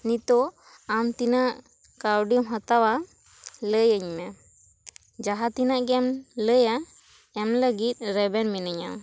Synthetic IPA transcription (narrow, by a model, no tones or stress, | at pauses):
nit̪ɔ | amt̪inaʔ | kawɖimɦat̪awa | ləjəɲmɛ | d͡ʒaɦat̪inaʔɡɛmləja | ɛmləɡit̪̚ˀɾɛbɛnminəɲa̰m